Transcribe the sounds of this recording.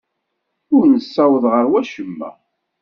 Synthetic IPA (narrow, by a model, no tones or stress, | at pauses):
ʊɾnəsːæwəðʁəɾwæʃəmːæ̰